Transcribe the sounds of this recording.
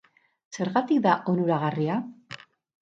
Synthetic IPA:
se̞ɾɣat̪ikd̪aʔo̞nuɾaɣaria

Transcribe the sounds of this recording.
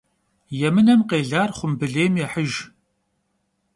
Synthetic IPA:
jɛmɨnɐmqeːɮaːrχʷʊmbɨɮeːmjɛħəʒ

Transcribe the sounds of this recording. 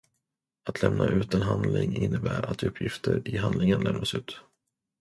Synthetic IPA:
at̪ʰlɛmnʔaʔʉ̟ːt̪ənɦand̪lɪŋɪnːəbæːɾat̪ɵpʰːjɪft̪ʰəɾɪɦand̪lɪŋənlɛmnasʉ̟ːt̪

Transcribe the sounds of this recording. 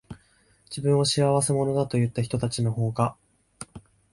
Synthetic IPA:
d͡ʑibɯ̃ɰ̃o̞ɕiaβase̞mo̞no̞d̪at̪o̞jɯ̟t̪ːaçi̥t̪o̞t̪at͡ɕino̞ɦo̞ːɡa

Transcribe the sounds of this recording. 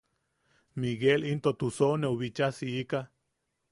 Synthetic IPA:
miɡelint̪ot̪usoneuβit͡ʃasiika

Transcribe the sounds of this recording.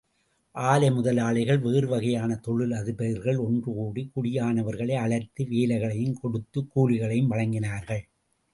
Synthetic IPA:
ʔaːlɐmʊðɐlaːɭɐɪɣɐɭʋeːɾɯʋɐɣɐjaːnɐt̪ɔɻɪlɐðɯpɐɾɣɐɭɔndrɯuːɽikʊɽɪjaːnɐʋɐɾɣɐɭɐɪɐɭɐɾt̪ɯʋeːlɐɪɣɐɭɐjɯmkɔɽɯt̪ːɯkːuːlɪɣɐɭɐjɯmʋɐɻɐŋɡɪnaːɾɣɐɭ

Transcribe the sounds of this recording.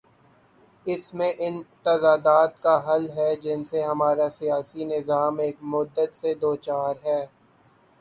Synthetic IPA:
ɪsmẽʔɪnt̪ɐzaːd̪aːt̪kaɦɐlɦɛd͡ʒɪnseɦɐmaːɾasijaːsinɪzaːmeːkmʊd̪ːət̪sed̪oːt͡ʃaːɾɦɛː

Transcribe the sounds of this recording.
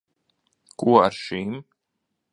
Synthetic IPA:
kuɔaɾʃim

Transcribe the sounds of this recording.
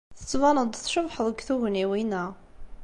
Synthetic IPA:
θə̥t͡sːvɑnəd̪ˤθʃəbħəðˤəɡθuɣniwinæ

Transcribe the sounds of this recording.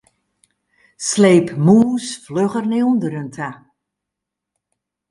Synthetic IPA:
sleːpmuːsfløɣərniundəɾøntʰa

